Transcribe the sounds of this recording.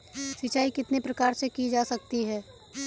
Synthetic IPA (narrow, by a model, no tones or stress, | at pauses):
sɪt͡ʃaːikɪt̪nepɾɐkaːɾsekid͡ʒaːsɐk̚t̪iɦɛː